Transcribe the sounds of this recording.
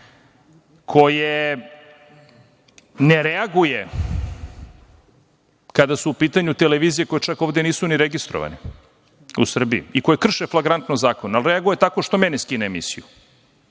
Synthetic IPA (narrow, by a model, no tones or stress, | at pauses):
kʰo̞je | neɾeaɡuje | kad̪asuːpiːt̪aɲut̪eleʋiːzijeko̞jet͡ʃakoːʋd̪eniːsuniɾeɡist̪ɾo̰ʋa̰ni | ṵsr̩biḭiko̞jekr̩ʃeflˠaɡɾant̪nozaːkonaalˠɾeaɡuje̞t̪akoʃt̪omeneskineemḭsiju